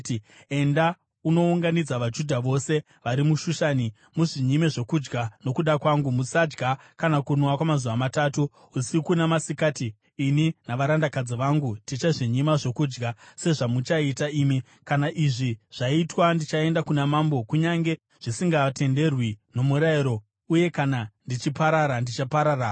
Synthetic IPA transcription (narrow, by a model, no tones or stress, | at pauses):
e̞nda | uno̞uŋɡanid͡zaʋad͡ʒudʱaʋo̞se̞ | ʋaɾimuʃuʃani | muʐiɲimeʐo̞kud͡ʒɡano̞kuɗakwaŋɡumusad͡ʒɡa | kanakunwakwamazuʋamataːtu | usikunamasikaːtiː | ninaʋaɾandakad͡ziʋaŋɡundit͡ʃaʐiɲimaʐo̞kuːd͡ʒɡase̞ʐamut͡ʃaitaimi | kanaʔiʐiʐ̥aitwandit͡ʃae̞ndakunamambo̞kuɲaŋɡe̞ | ʐ̥isiŋɡate̞nde̞rwino̞muɾaiɾo̞ | uje̞kanandit͡ʃipaɾaɾandit͡ʃapaɾaːra